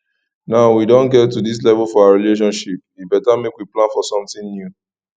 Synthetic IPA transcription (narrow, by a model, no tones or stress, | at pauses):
naʊwidõnɡɛtːudis̬lɛvlfɔaaɹileʃ̬ɔ̃nʃip̚dibɛtamekwiplãnfɔsɔ̃mtĩnnju